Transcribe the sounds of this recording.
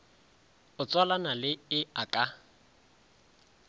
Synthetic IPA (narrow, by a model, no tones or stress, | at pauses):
ʊt͡sʼwalanalɪɪakʼa